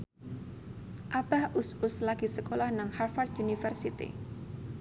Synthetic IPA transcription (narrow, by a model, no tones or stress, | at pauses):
ʔabahʔʊsʊslaɡisəkolahnaŋharfard̪unifərsit̪ḭ